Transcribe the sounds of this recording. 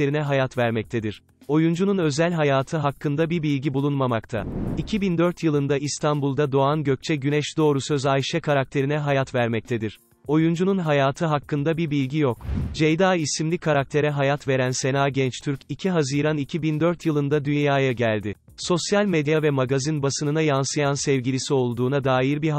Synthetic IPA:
eɾinɛɦajat̪væɾmɛc̚t̪ʰed̪iɾ̥ | o̞jund͡ʒununø̞zælʲɦajaːt̪ʰɯɦakːɯnd̪abiɾbilʲɡɟibulˠunmamakt̪ʰa̰icʰibind̪ø̞ɾt̪jɯlˠɯnd̪aist̪ʰanbulˠd̪ad̪o̞anɟø̞c̚t͡ʃʰɛɟynɛʃd̪o̞ːɾusø̞zajʃɛkʰaɾak̚t̪ʰe̞ɾinɛɦajat̪væɾmɛc̚t̪ʰed̪iɾ̥ | o̞jund͡ʒununɦajaːt̪ʰɯɦakːɯnd̪abiɾbilʲɟijo̞kd͡ʒejd̪aːisimlʲikʰaɾak̚t̪ʰe̞ɾɛɦajat̪ve̞ɾænse̞naːɟɛnt͡ʃt̪ʰyɾcicʰiɦaziːɾanicʰibind̪øɾt̪jɯlˠɯnd̪ad̪ynjaːjaɟælʲd̪ɪ | so̞sjalʲmed̪javɛmaɡazinbasɯnɯnajansɯjansɛvɟilʲisio̞lˠd̪uːnad̪aːjiɾbi

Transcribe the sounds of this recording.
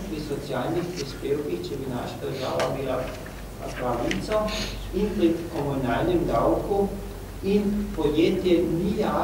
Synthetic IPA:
pɾisɔt̪sjaːlnixpɾispeːwkixt͡ʃɛbina̰ːʃad̪əɾʒa̰ːʋabiːla | a̰kʋanit̪sɔ | inpɾikɔmunaːlnɛmd̪awku | inpɔjeːt̪jɛnijaː

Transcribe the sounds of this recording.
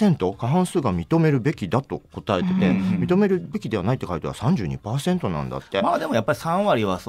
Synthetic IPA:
ẽ̞nt̪o̞kaɦãɰ̃sɨːɡamʲit̪o̞me̞ɾɯ̟be̞kʲid̪at̪o̞̰ko̞t̪ae̞t̪e̞t̪e̞mʲit̪o̞me̞ɾɯ̟be̞kʲid̪e̞βanait̪ːekait̪oβa̰sãɲ̟d͡ʑɨ̰ːɲ̟ḭpaːsẽ̞nt̪o̞nã̰nd̪a̰t̪ːe̞maːd̪e̞mo̞japːaɾʲisãɰ̃βaɾʲiβa

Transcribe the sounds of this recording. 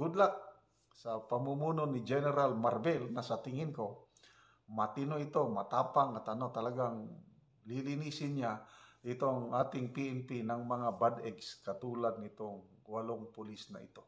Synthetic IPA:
ɡ̥ʊd̪laʔ | sɐpɐmumuːnonɪd͡ʒɛnɛɾalmaɾbɛlnɐsɐt̪ɪŋɪnko̞ | mɐt̪ɪnoɪt̪o̞mɐt̪aːpaŋat̪ɐnot̪ɐlaɡaŋ | lilɪniːsɪnɲaʔɪt̪oŋʔaːt̪ɪŋpiʔɛnpinɐŋmɐŋabad̪ɛɡskɐt̪uːlad̪̚nɪt̪oŋ | waloŋpʊlisnɐ̰ʔɪ̰t̪o̞

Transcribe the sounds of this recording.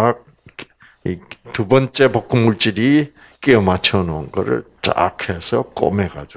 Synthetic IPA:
k̚ | it̪ubʌnt͡ɕ͈e̞pok͈ʰɯmuɭt͡ɕ͈iɾi | k͈eʌmat͡ɕʰʌnʌnɡʌ̰ɾɯ̰ɭt͡ɕa̰kʰe̞sʰʌk͈o̰meɡa̰d͡ʑ

